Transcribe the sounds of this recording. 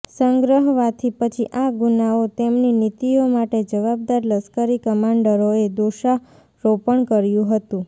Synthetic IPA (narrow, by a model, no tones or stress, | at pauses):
səŋɡɾəɦʋat̪ʰipət͡ʃʰiʔaɡunaot̪emninit̪iomaʈed͡ʒəʋab̚d̪aɾləskəɾikəmaɳɖəɾoed̪oʃa | ɾopəɳkəɾjũɦət̪ũ